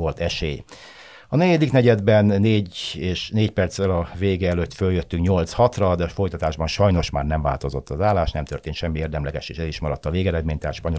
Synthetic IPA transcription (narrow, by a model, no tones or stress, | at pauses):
o̞lt̪ɛʃeːj | ɒnɛɟɛd̪iknɛɟɛd̪bɛnːeːɟeːʃneːcpɛrt̪sɛlɒveːɡɛɛløt̪føljøt̪ːyŋkɲo̞lt̪shɒt̪rɒd̪ɛɒfo̞jt̪ɒt̪aːʒbɒnʃɒjno̞ʃmaːrnɛɱva̰ːlt̪o̞zo̞t̪ːɒzaːlːaːʃnɛmt̪ørt̪eːnʃɛmːieːrd̪ɛmlɛɡɛʃeːʃɛziʃmɒɾɒt̪ːɒveːɡɛɾɛd̪meːɲt̪ɛɦat̪ʃpɒɲo